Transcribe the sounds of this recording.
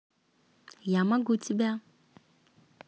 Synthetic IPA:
jamãɡutibɛa

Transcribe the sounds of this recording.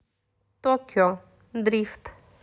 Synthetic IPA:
t̪ɔkʲɔ | d̪ɾift̪

